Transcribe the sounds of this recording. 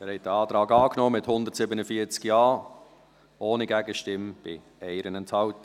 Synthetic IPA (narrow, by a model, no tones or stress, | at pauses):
æːɾhɛt̚d̥əɑːtɾɑːɡɑːknɔːmɪthʊndəɾtsɪbənəfiːət͡skjɑː | ʔoːniɡæɡəʃtɪmb̥ɪ | ɛɪɾənɛnthɑʊtə